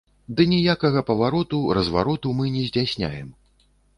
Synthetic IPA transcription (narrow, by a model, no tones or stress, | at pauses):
d̪ɨnʲijakɐɣɐpɐvaɾɔt̪uɾɐzva̰ɾɔt̪umɨnʲɛzʲdd͡zʲasʲnʲa̰jɛm